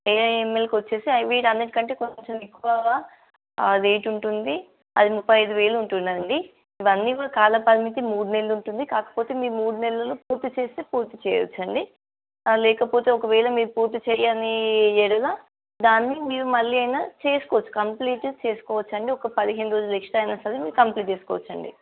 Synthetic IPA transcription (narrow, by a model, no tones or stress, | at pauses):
eemːelkʋot͡ʃːeːsiɐjʋeːʈɐnd̪ɐʈikɐɳʈe̞ːkot͡ʃomekːuʋaːa | d̪ejʈuɳʈund̪i | ɐd̪imupːɐjɐjd̪uʋɛːlɐuɳʈunːɐɐɳɖi | iʋɐnːiːʋaɐkaːlɐpɐd̪imit̪̬imuːɽunɛlːɐuɳʈund̪ikaːkɐ̥po̞ːt̪e̞ːmiːɾumuːɽunɛlːɐloːpuːɾt̪ːit͡ʃeːst̪eːpuːɾt̪it͡ʃɛːjʋɐ̰t͡ʃːɐɳɖi | lɛːkɐpo̞ːt̪e̞ːɔkɐʋɛːlɐmiːɾupuːɾt̪ːit͡ʃɛjaniɛɽɐlaː | d̪aːnːimiːɾumɐɭːiɐjnat͡ʃe̞ːsu̥kɔːʋɐt͡ʃːu̥kɐmpliːʈt͡ʃe̞ːsu̥kɔːʋɐt͡ʃːɐɳɖiɔkɐpɐd̪iɦeniɾo̞ːd͡ʒulekʂʈaɐjnɐst̪ɐd̪emiːɾukɐmpliːʈt͡ʃeːsu̥kɔːʋɐt͡ʃːɐɳɖḭ